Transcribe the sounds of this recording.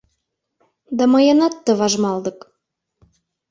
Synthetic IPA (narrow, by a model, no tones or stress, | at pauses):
d̪ɑmɤjənɑt̪ːə̆βɑʒmɑld̪ɤ̆k